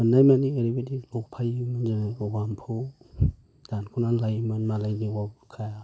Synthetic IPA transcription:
ɯnajmanieɾibedilɔk̚pʰajimɯnzanlɔɡampʰu | d̥ankʰunalajmɯnmalajniwabkʰaja

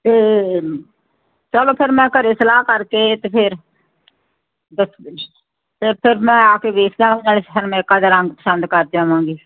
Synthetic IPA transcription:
t̪eː | t͡ʃəloːpʰɪɾmɛ̃ːkəɾeːsəlaːɦkəɾkeːt̪eːpʰɪɾ | bə | peɾpʰɪɾmɛ̃ːaːkeːʋeːkʰd̪aːãːd͡ʒaːlesʰəɾmɛ̃ːɪkaːd̪aːɾəŋɡpəsənd̪kəɾd̪aːʋãːɡiː

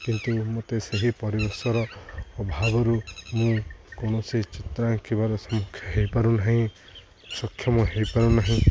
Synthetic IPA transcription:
kint̪umot̪eseɦipɔɾibɔɾsɔɾɔːbʱabɔɾumũkoɽ̃ɔsit͡ʃit̪ɾaŋkʰiβaɾɔsɔmukʰjɔɦejpaɾunaɦĩ | sɔkʰjɔmɔɦejpaɾunaɦĩ

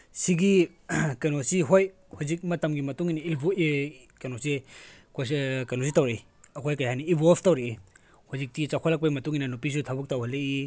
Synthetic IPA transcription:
siɡi | kɐnosiɦoj | huzik̚mɐtɐmɡimɐtuŋiniilb | kɐnosikskɐnositɐwɾej | ɐkʰojkɐjhɦajniːbopʰtɐwɾei | huzik̚tit͡ʃakʰɔlɐk̚pɐimɐtuŋinɐnupis̬utʰabuk̚tɐwɦalei

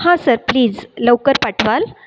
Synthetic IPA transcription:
ɦãsəɾpliːd͡zləwkəɾpaʈʰʋal

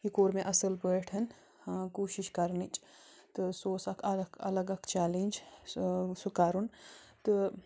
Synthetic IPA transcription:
ikoːɾmẽʔɐsɐlbəːʈʰɐn | kuːʃiʃkɐɾnit͡ʃt̪ɨsoːsɐkʰɐkʰɐ̰lɐɡɐkt͡ʃaːlinʲd͡ʒ | sukaːɾunt̪ɨ

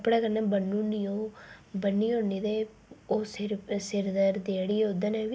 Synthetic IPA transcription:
əpɽaːkəɾnãːbənːũːnioːbənːiːoːniːd̪eː | oːsɪɾsɪɾd̪əɾd̪eːɽiːod̪ənɛ̃ːʋi

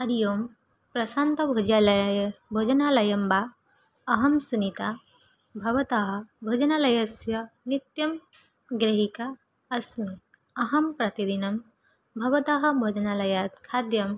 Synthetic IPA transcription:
ɐɾjoːm | pɾɐsaːnt̪ɐbʱod͡ʒa | bʱod͡ʒɐnaːlɐjɐmbaː | ɐɦɐmsunit̪a | bʱɐʋɐt̪aɦɐ̆bʱod͡ʒɐnalɐjɐsjɐnit̪jɐm | ɡɾeɦika | ɐsmi | ɐɦɐmpɾɐt̪id̪inɐm | bʱɐʋɐt̪aːɦɐ̆bʱod͡ʒɐnalɐjaːt̪̚kʰaːd̪jɐm

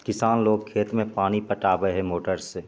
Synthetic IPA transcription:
kɪsaːnloːɡ̚kʰeːt̪mẽpaːñipɐʈaːbəɦɛmoːʈəɾse

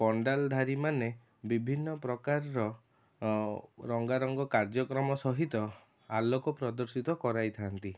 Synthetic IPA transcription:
pɔɳɖald̪ʱaɾimane | bibʱinːɔpɾɔkaɾɾɔ | ɾɔŋɡaɾɔŋɡɔkaɾd͡ʒɔkɾɔmɔsɔɦit̪ɔ | alɔkɔpɾɔd̪ɔɾsit̪ɔkɔɾajt̪ʰant̪i

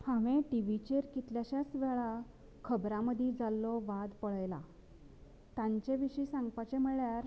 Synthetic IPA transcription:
hãʋẽʈiʋit͡ɕeɾkit̪ljaɕjasʋɛɭa | kʰəbɾãməd̪ʱid͡zalːɔʋad̪pəɭəjla̰ | t̪ãɲt͡ɕeʋiɕiːsãŋɡpat͡ɕem̤əɭjaɾ

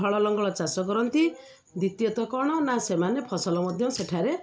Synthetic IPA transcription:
ɔɭɔlɔŋɡɔɭɔt͡ʃasɔkɔɾɔnt̪i | d̪it̪jɔt̪ɔkɔɽ̃ɔnasemanepʰɔsɔlɔmɔd̪ʱjɔmseʈʰaɾe

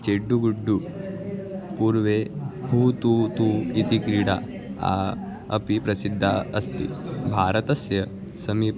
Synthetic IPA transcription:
t͡ʃeɖːuɡuɖːu | puːɾʋehuːt̪ut̪uit̪ikɾiɽa | a̰ | ɐ̰pipɾɐsid̪ʱːaɐst̪ḭbʱaːɾɐt̪ɐsjɐ | sɐmi

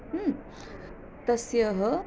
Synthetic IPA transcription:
t̪əsjəɦə

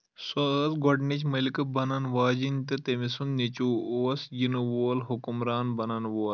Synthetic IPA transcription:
soɐsɡɔɖnit͡ʃmɐlikɐbɐnɐnʋaːd͡ʒinʲt̪ɨt̪emisunnit͡ʃuːosjinuʋoːlɦukumɾaːnbɐnɐnʋoːl

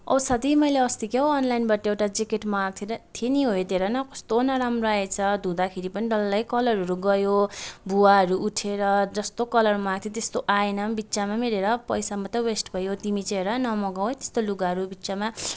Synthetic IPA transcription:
ʌ̰bʌsʌd̪imʌjleʌst̪ikeɦoʌnlajnbaʈʌewʈad͡zikeʈmʌaɡ̚t̪ʰiɾʌt̪ʰiniɦojt̪eɾʌnʌkʌst̪onʌɾamroaet͡sʰʌd̪ʱud̪akʰeɾipʌniɖʌlːʌjkʌlʌɾɦʌɾuɡʌjobuwaɦʌɾuʔuʈʰeɾʌd͡zʌst̪okʌlʌrmaɡ̚t̪ʰit̪est̪oʔaenʌbitːt͡samamiɾeɾʌpʌjsamʌt̪ʌwesʈbʱʌjot̪imit͡seɾʌnʌmʌɡaw̃ɦjt̪e̥st̪oluɡaɦʌɾubitːt͡sama

